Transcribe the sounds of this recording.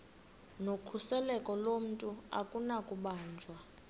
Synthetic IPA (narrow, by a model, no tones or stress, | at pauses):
nokʰusɛlɛkʼɔlom̩tʼua̰kʼunakʼuɓaːnd͡ʒʱwa